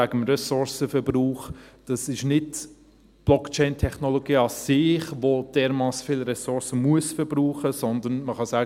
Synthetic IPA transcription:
æɡəmrɛsʊɾsəfɛɾb̥ruːχd̥ɑsɪʃnɪd | b̥lɔkt͡ʃɛɪntʰɛχnoloɡiːɑsɪχvod̥ɛːɾmɑːsfɪːlɾɛsʊɾsəmuəsfɛɾb̥ɾuːχəsɔnd̪ənməχɑsæːɡ

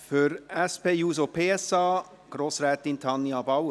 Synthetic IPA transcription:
fœɾɛspeːjuːs̬opʰeːɛsɑː | ɡ̥ɾoːsɾɛːt̪ɪnt̪ʰɑnjɑbɑʊə

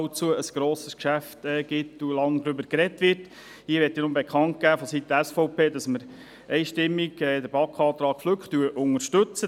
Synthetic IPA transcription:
ʊt͡suəəsɡ̥ɾoːsəskʃæftɛːɡ̥ɪtulɑŋd̪ɾʏbəɾkɾɛtʋɪrt | hiːəɾʋɛtːinʊmbɛkʰχɑnt̚kæːfɔsit̪əæsfɔʊpʰeːdɑsməɾ | ʔɛɪʃtɪmːiɡɛːd̪əɾbɑkχɑːt̪ɾɑːkfløkχt̪ːyəʔʊŋəɾʃtɵt͡sə

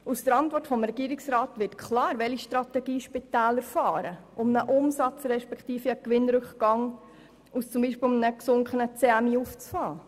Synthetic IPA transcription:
usd̥əɾɑntʋɔrtfɔmɾɛɡ̥iːɾɪksɾɑːtʋɪtkʰlɑːɾʋɛliʃtɾɑt̪ɛɡiːʃpitɛːləɾfɑːɾəʔʊmnəʔʊmsɑt͡sɾɛʃpɛkχtiːfiəkʋɪnɾɵkχɡ̥ɑŋ | ust͡sʊmbiːʃpɪːlmnəksʊŋkχənət͡seæmiːuft͡sfɑː

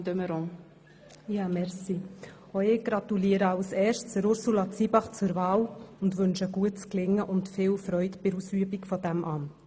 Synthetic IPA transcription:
d̪øməɾʊ̃ŋ | jɑːmɛɾsi | oɪɡ̥ɾɑtuliəɾəɑlsɛːɾʃt͡səɾʊɾsulɑt͡sibɑχt͡sʊɾvɑːlʊndʋʏnʃəɡuətt͡sklɪŋːəʔʊntfɪːlfɾœʏtb̥ɪɾusyəbikfɔdæmʔɑn

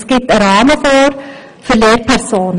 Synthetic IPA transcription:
sɡ̥ɪp̚təɾɑːməfoːɾ | fyleːɾpʰɛɾsoːnə

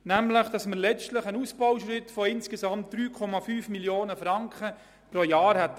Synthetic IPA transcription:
næmləχd̥ɑsməɾlɛt͡ʃtləχənusb̥ɔwʃɾɪtfɔɪnskesɑmt̚d̥ɾyːkʰɔmɑfyːfmiljoːnəfɾɑŋkχə | pɾojɑːɾhɛt̪

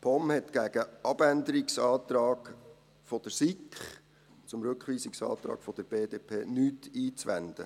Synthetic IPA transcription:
pʰɔmhɛt̪ɡ̥æɡ̥əʔɑbænd̪əɾiksɑːt̪ɾɑːɡ | fɔd̥̪əɾsikχ | t͡sʊmɾʉkχʋiːsɪksɑ̰ːt̪ɾɑ̰ːkfɔd̥əɾb̥eːdeːpʰeːnyːtiːt͡sʋænd̪ə̰

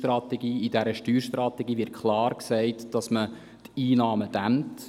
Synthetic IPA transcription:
trɑt̪ɛɡiːidæɾəʃtyːɾʃtɾɑtɛɡiːvɪt̚kʰχlɑːɾksɛɪtd̥ɑsmə | tiːnɑːməd̥æmt

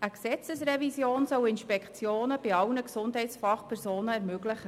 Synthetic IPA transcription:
ʔəksɛt͡səsrɛvisjoːnsœwɪnʃpɛkʰt͡sjoːnəb̥ɪɑwnəksʊndɦɛɪtsfɑχpʰɛɾsoːnəɛɾmøɡlɪχə

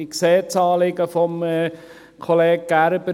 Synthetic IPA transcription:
ikseːt͡sɑːlɪɡəfɔm | kʰoleːɡ̚ɡ̥æɾbə

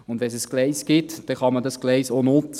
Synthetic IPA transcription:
ʊnd̪ʋɛnsɛsɡ̥lɛɪskɪt̪d̥ɛχɑmədɑsɡlɛɪsonʊt͡s

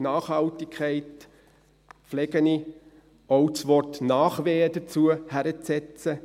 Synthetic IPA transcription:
nɑːχhɑltikʰɛɪt | flɛɡəni | ɔwt͡sʋɔrtnɑːχʋeːədət͡suəhæɾət͡sɛt͡sə

